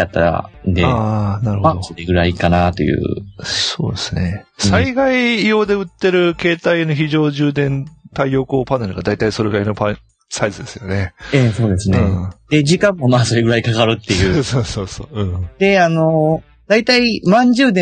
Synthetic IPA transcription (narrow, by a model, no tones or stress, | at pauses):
at̪ːaɾa̰nd̪eaːnaɾɯ̟hoad̪osoɾeɡɯ̟ɾaikanat̪o̞̰jɯ̟̰ːso̰ːd̪esɨne̞saiɡaijo̞ːd̪e̞ɯ̟t̪ːe̞ɾɯ̟ke̞ːt̪aino̞çiʑo̞ːʑɨːd̪ẽ̞nt̪aijo̞koːpaneɾɯɡad̪ait̪aiso̞ɾeɡaino̞pa | saizɨd̪e̞sɨjo̞ne̞eso̞ːd̪e̞sɨnẽːd̪̥ed͡ʑikãmːo̞maːso̞ɾe̞ɡɯ̟ɾaikakaɾɯ̟t̪ːe̞jɯ̟ːsoːsoːso̰ːɯ̟̃ːd̪̥e̞ano | d̪̥ait̪aimãɲd͡ʑɨːd̪ẽ